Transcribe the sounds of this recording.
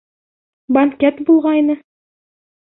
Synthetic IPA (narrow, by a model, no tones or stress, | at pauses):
bɐŋkʲɛt̪bulˠʁɑinɘ